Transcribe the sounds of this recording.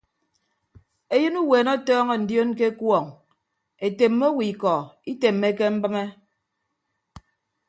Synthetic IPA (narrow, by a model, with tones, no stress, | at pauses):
e˦jɨ˦nu˦weː˨nɔ˦tɔː˦ŋɔ˨n̩˨djo˦nk̬e˦kwɔ˨ŋ | e˨te˨mːo˦wi˨kɔ˨i˦te˨mːe˦ke˦m̩˦bɨ˦me˦